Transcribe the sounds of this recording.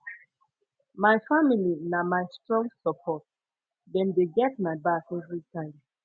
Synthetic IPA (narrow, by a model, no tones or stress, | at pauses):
maɪfamilinamaɪstɹɔ̃ŋɡsəpʰɔt̚ | dɛ̃ndeɡɛt̚maɪbakɛvɹitʰãɪ̃m